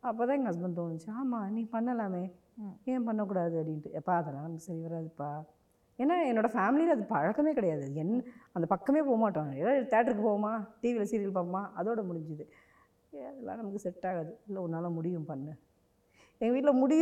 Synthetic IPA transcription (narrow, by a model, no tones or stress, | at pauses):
ɐpːoːt̪ãːɛŋɡɐɦɐs̬bɛnt̪oːnt͡ʃːɯaːmaːnĩːpɐnːɐlaːmeː | ɛ̃ːpɐnːɐk̬ːuːɽaːðɯɐpɽɪnʈɯɛpːaɐðɛlːãːnɐmɐkːɯsɐɾiʋɐɾaːðɯɛpːaː | eːnːaːɛnːoːɽɐfaːmɪlɪlɐðɯpɐɻɐkːɐmeːkɪɽɐjaːðɯɛnːɐnd̪ɐpɐkːɐmeːpoːɣɐmaːʈːãːɛlːat̪aːʈɾɯk̬ːɯpoːɐmaːʈiːʋilɐsiːɾɪɐlpaːpɐmaːʔɐðoːɽɐmʊɽɪɲd͡ʒɯðɯ | ɐðɛlːã̰ːnɐmɐkːɯsɛʈːaːɣaðɯɪlːɐɔnːaːlɐ̃mʊɽɪʋɯ̃mpɐnːɯ | ɛŋɡɐʋiːʈ̬ɪlɐmʊɽɪj